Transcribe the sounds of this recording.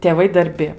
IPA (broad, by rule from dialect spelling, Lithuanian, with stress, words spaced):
tʲeːˈʋɐɪ dɐrʲˈbʲɪ